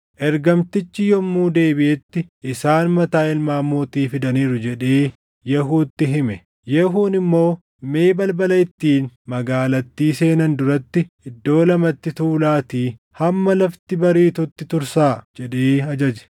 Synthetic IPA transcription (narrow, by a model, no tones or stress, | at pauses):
ʔɛɾɡɐmt̪ɪt͡ʃːɪjɔmːuːd̪e̞ːbɪʔɛt̪ːɪʔɪsaːnmɐt̪aːɪlmaːmːoːt̪iːfɪd̪ɐniːɾʊd͡ʒɛᶑe̞ː | jɛɦuːt̪ːɪɦɪmɛ | jɛɦuːnɪmːo̞ː | me̞ːbɐlbɐlɐjɪt̪ːiːnmɐɡaːlɐt̪ːiːse̞ːnɐnd̪ʊɾɐt̪ːɪʔɪd̪ːo̞ːlɐmɐt̪ːɪt̪uːlaːt̪iː | hɐmːɐlɐft̪ɪbɐɾiːt̪ʊt̪ːɪt̪ʊɾsaːd͡ʒɛᶑeːɐd͡ʒɐd͡ʒɛ̥